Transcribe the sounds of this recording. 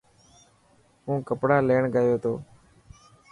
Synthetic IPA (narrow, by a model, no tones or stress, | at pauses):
ũːkəpɽaːleːɳɡəjoːt̪ʰoː